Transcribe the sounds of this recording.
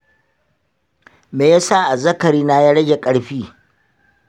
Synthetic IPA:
meː˨ja˦sa˦ʔa˨zɐ˦kɐ˨ɽiː˦na˦jaː˦ɽɐ˦ɡʲe˨kʼɐ˨ɽɸiː˦

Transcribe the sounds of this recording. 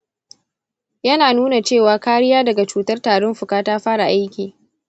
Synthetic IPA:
jɐ˦naː˨nuː˦na˨t͡ʃeː˦˨waː˨kaː˦ɽɪ˦jaː˦dɐ˨ɡa˨t͡ʃuː˨tɐ˦rtaː˨ɽɔ˦mɸʊ˨kaː˦taː˦ɸaː˦ɽa˨ʔa˦jkʲiː˨

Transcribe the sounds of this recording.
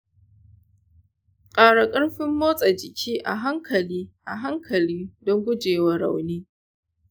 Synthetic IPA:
qʼaː˨ɽa˨kʼɐ˦ɽɸɪ˦mːoː˦sʼɐ˨d͡ʒɪ˨kʲʰiː˦ʔa̰˨ɦa˦ŋkʰɐ˨liː˦ʔa˨ɦa˦ŋkʰɐ˨lɪ˦dɔ˦ŋɡʷʊ˦d͡ʒeː˨wa˦ɽa̰˨wneː˦

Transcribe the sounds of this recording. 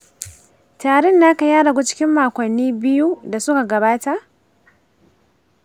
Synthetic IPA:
taː˨ɽɛ˦˨nːaː˦ka˨jaː˦ɽa˨ɡʷu˦t͡ʃɪ̥˦kʲɪ˦mːaː˨kʷɐ˨nːiː˦bɪ˦ju˦da˨sʊ˦ka˨ɡɐ˨baː˦ta˨ʔ

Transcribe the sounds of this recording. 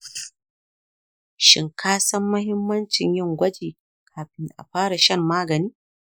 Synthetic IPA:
ʃɪ̰˨ŋkʰaː˦sɐ˦mːɐ˦hɪ˦mːɐ˦nt͡ʃɪ˨ɲjɪ˦ŋɡʷɐ˦d͡ʒiː˨ | kʰaː˨ɸɪ˦nda˨ʔa̰˨ɸaː˦ɽa˨ʃɐ˦˨mːaː˦ɡɐ˨niː˦

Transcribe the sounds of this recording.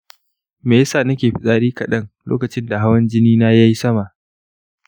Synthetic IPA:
meː˨jɐ˦saː˨nɐ˦kʲeː˨ɸɪ˦sʼaː˦ɽiː˦kɐ˨ɗɐ˦ŋlo̰ː˦kɐ˨t͡ʃɪ˦nda˨ɦa˦wɐ˦nd͡ʒɪ˦niː˦na˦ja˦ji˦sɐ˦ma˨ʔ

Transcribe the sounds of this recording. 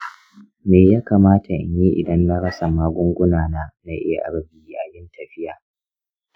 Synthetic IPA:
meː˨jaː˦kaː˨maː˦tʰa˨ʔɪ̰˨ɲji˦ʔɪ̰˨dɐ˦nːa˦ɽɐ˦sa˨maː˦ɡʷʊ˦ŋɡʷʊ˦naː˨naː˦na˦ʔɪ˦ja˨ʔa̰˨ɽɐ˦bʲi˨˦i˦ʔa˨jɪ˦ntɐ˨ɸɪ˦jaː˨

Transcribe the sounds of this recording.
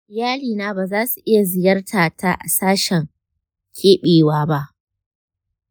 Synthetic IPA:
jaː˦liː˨naː˦baː˨zaː˦su˨ʔɪ˦ja˨zɪ˨jɐ˦rtʰaː˨tʰa˦ʔa̰˨saː˦ʃɛ˨ŋ | kʲʰeː˦ɓeː˨waː˦ba˦ʔ

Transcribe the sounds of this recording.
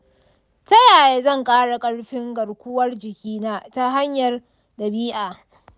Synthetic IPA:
tɐ˦jaː˨jeː˦zɐ˦˨ŋkʼaː˦ɽa˨kʼɐ˦ɽɸɪ˦ŋɡɐ˨ɽkʷʊ˦wɐ˦rd͡ʒɪ˨kʲiː˦naː˦ta˦ɦa˦ɲjɐ˨r | dɐ˨biː˦ʔaː˨

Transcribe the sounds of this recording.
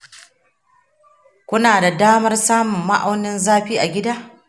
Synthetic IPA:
kʷʊ˦naː˨da˨daː˦mɐ˦rsaː˦mʊ˨mːa̰˦ʔa˦wnɪ˦nzaː˦ɸiː˦ʔa˨ɡʲɪ˦daː˦ʔ

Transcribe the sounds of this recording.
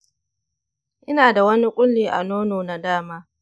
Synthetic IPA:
ʔɪ˦naː˨da˨wɐ˦ni˦kʷʼʊ˦lːiː˨ʔa̰˨noː˦noː˨na˨daː˦maː˦

